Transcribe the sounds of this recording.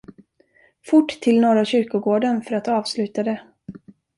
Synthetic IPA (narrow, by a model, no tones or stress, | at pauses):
fʊʈːt̪ʰːɪlnoːɾaɕʏɾkʊɡoːɖənfœɾat̪ɑːvslʉ̟ːt̪ad̪ɛ